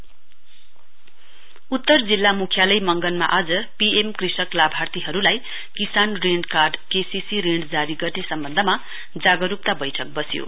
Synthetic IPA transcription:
ut̪ːʌrd͡zilːamukʰjalʌjmʌŋɡʌnma̰ʔad͡zʌpiemkrisʌklabʱart̪iɦʌɾulaj | kisanreɳɖkarɖkesisiɾeɳɖd͡zaɾiɡʌrnesʌmbʌnd̪ʱʌma | d͡zaɡʌɾup̚t̪abʌjʈʰʌk̚bʌsjo̰

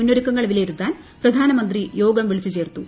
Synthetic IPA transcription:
unːoɾikːɐŋːɐɭʋilejiɾut̪ːaːn | prɐd̪ʱaːnɐmɐnd̪rijo̞ːɡɐmʋiɭit͡ɕːut͡ɕe̞ːrt̪u

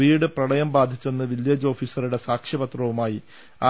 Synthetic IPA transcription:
iːɽɨprɐɽɐjɐmbaːd̪ʱit͡ɕːe̞nːɨʋiljeːd͡ʑo̞ːfiːsɐruɽe̞saːkʂjɐbɐt̪rɐʋumaːji | aː

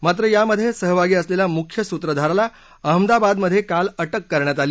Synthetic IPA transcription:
mat̪ɾəjaməd̪ʱːjesəɦəʋʱaɡiːəslelamukʰjəsut̪ɾəd̪ʱaɾala | əɦəmd̪abad̪məd̪ʱːjekaləʈəkːəɾɳjat̪aliː

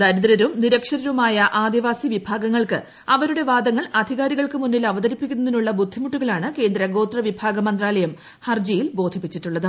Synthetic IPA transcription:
d̪ɐɾuðɾɐɾumniɾɐkʂɐɾɐɾumaːjɐʔaːd̪iʋaːsiʋibʱaːɡɐŋːɐɭkɨ̰ | ɐʋɐɾuɽe̞ʋaːd̪ɐŋːɐɭɐd̪ʱiɣaːɾiɣɐɭkɨmunːilɐʋɐd̪ɐɾipːikʲːunːɐðinuɭːɐbud̪ʱːimuʈːuɣɐɭaːɳɨke̞ːnd̪ɾɐɡo̞ːt̪rɐʋibʱaːɡɐmɐnd̪raːlɐjɐm | hɐrd͡ʑɐjilbo̞ːd̪ʱipːit͡ɕːiʈːuɭːɐðɨ

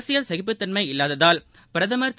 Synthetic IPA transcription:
sɪjɐlsɛɣɪpːɯt̪ːɐnmɐɪɪlːaːðɐðaːl | pɪɾɐðɐmɐɾt̪

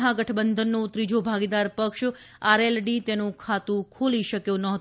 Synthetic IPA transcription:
ɦãɡəʈʰbənd̪ʱənːot̪ɾid͡ʒobʱaɡid̪aɾpəkʃ | aɾelɖit̪enũkʰat̪ũkʰoliʃəkjõnəɦt̪

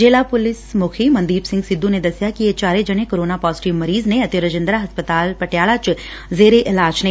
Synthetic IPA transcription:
d͡ʒeːlapʊlɪsmokʰimɐ̃nd̪iːbsɪ̃ŋɡsɪd̪ʱːũned̪ɐsjakiet͡ʃaːɾed͡ʒɐɽekoɾoːnapɔːzɪʈiʋmɐɾiːzneɐt̪jəɾɐd͡ʒɪ̃nd̪ɾaɦɐspət̪aːlpɐʈjaːɭat͡ʃ | zeːɾeʔɪlaːd͡ʒne

